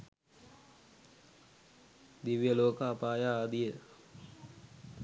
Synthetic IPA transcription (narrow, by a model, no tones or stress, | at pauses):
d̪iʋijəloːkəapaːjaaːd̪ijə